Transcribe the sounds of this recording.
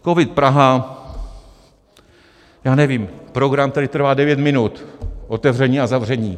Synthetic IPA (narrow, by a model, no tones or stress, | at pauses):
ko̞vɪt̪pɾaɦa | jaːnɛviːmpɾo̞ɡɾamt̪adɪt̪r̩vaːdɛvjɛt̪mɪnut̪ʔo̞t̪ɛvr̝ɛɲiːazavr̝ɛɲiː